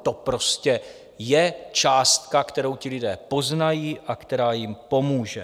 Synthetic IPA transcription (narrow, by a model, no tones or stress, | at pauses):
t̪o̞pɾo̞scɛ | jɛt͡ʃaːst̪̚kakt̪ɛɾo̞wcɪlɪdɛːpo̞znajiːʔakt̪ɛɾaːjɪmpo̞muːʒɛ